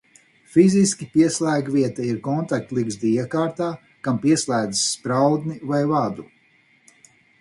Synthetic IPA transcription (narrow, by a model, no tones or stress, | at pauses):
fiziskʲipiɛslˠæːɡviɛt̪aiɾkɔnt̪ak̚t̪lˠiɡzd̪ijakaːɾt̪aː | kampiɛslˠæːd̪zsːpɾawd̪nivajvad̪u